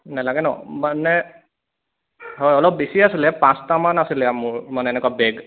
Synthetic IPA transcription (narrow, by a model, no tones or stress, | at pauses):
nɛlaɡɛnɔ̰manɛ | ɦojɔlɔp̚besiasilɛpãst̪amanasilɛamʊɹmanɛɛnɛkwabeɡ